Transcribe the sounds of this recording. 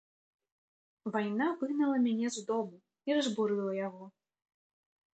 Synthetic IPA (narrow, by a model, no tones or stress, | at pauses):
vajnavɨɣnɐlˠɐmʲanʲɛzud̪ɔmu | iɾɐzbuɾɨlˠɐjaɣɔ